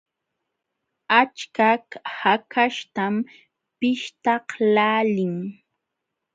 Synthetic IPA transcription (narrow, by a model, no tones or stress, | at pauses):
at͡ʃkakhakʰaʃt̪am | pɪʃt̪ɑhlaːlɪŋ